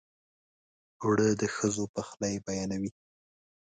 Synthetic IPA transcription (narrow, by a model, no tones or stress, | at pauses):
wɽəd̪əxəzopəxlajbajɑnawi